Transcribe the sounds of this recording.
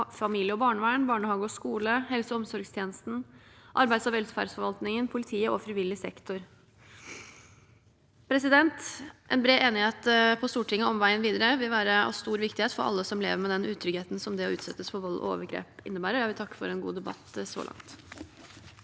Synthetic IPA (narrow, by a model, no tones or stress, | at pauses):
fɑmiːljəɔbɑːɳəʋæːɳbɑːɳəhɑːɡəɔskuːləhɛlsəɔmsɔɾɡst̪ʰjeːnəst̪n̩ʔɑɾbæɪd̪sɑʋɛlfæ̰ɖsfɔɾʋɑlt̪nɪŋənpʰʊlɪt̪ʰiːəʔɔfɾɪʋɪlːɪsɛ̰kt̪ʰʊɾ | pʰɾɛsɪd̪ɛnt̪ʔɛ̰nbɾeːeːnɪheːt̪pʰɔst̪uːʈʰɪŋːəɔmʋæɪənʋiːd̪əɾəʋɪlʋæːɾəɑ̰ʋst̪uːɾʋɪkt̪ɪheːt̪fɔɾɑ̰lːəsɔmlḛːʋəɾmɛd̪ɛnʔʉːt̪ʰːɾʏɡeːt̪n̩sɔmd̪ɛɔʉːt̪sɛt̪ːəsfɔʋɑlːʔɔ̰o̰ːʋəɾɡɾḛːpɪ̰nːəbæːɾəjæɪʋɪlt̪ʰɑkːə̥fɔ̰ɾɛnɡṵːd̪ɛbɑ̰t̪ːsɔ̰lʔɑ̰ŋt̪